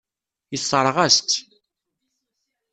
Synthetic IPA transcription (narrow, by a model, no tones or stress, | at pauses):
jəsˤːəɾˤʁæst̪